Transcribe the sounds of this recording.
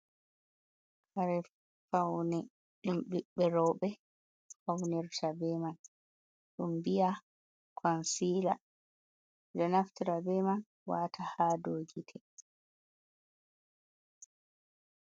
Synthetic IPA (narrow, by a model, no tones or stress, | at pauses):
kaɾɛ | fawnɛ | ɗumɓiɓɛɾɔɓɛ | fawnɛɾtʰabɛman | ɗumbija | kʰɔnsiːla̰ | d͡ʒɔnaftiɾabɛman | watʰahaːdoːɡitʰɛ